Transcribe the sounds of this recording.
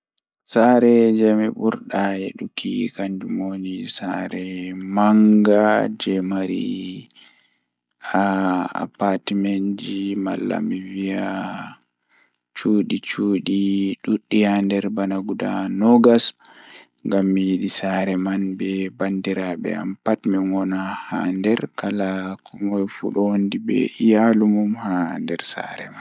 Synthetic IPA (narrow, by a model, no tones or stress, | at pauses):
saɾɛd͡ʒamiɓuɾɗajeɗukikaɲd͡ʒumonisaɾɛmaŋɡad͡ʒɛmaɾḭ | aa̰patimend͡ʒima̰lːa̰mivija | t͡ʃuɗit͡ʃuːɗiɗuɗːihandɛɾbanaɡuda̰nɔɡas | ŋɡamːijiɗisaɾɛmanbɛbandiɾabɛ̰a̰mpatmiŋɔnahandɛɾkalakʰɔŋɡɔjfṵɗɔondibɛ̰ʔijalumumhandɛɾsa̰ɾɛman